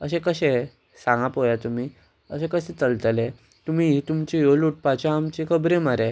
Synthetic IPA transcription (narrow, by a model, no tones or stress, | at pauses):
əɕẽkəɕẽ | sãŋɡapojat̪um̤iː | əɕẽkəɕẽt͡səlt̪lẽ | t̪um̤iɦit̪umt͡ɕijoluʈ̚pat͡ɕaːmt͡ɕikʰəbɾemaɾẽ